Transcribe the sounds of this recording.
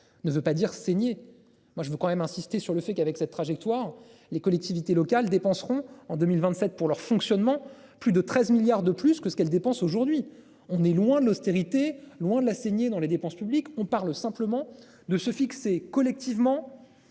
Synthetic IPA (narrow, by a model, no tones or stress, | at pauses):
nəvøpad̪iʁseɲe | mwaʒəvøkɑ̃mɛmɛ̃sist̪esyʁləfɛkavɛksɛt̪ːχaʒɛk̚t̪waʁ | lekɔlɛk̚t̪ivit̪elɔkald̪epɑ̃sʁɔ̃ɑ̃d̪ømilvɛ̃t̪sɛt̪̚puʁlœʁfɔ̃ksjɔnmɑ̃ | plyd̪ət̪χɛzmiljaʁd̪əplyskəsə̥kɛld̪epɑ̃soʒuʁd̪ɥi | ɔ̃nɛlwɛ̃d̪əlɔst̪eʁit̪elwɛ̃d̪əlaseɲed̪ɑ̃led̪epɑ̃spyblikɔ̃paʁlsɛ̃pləmɑ̃ | d̪əsəfiksekɔlɛk̚t̪ivmɑ̃